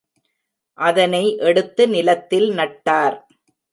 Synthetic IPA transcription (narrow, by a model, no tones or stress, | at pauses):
ʔɐðɐnɐɪʔɛɽɯt̪ːɯnɪlɐt̪ːɪlnɐʈːaːɾ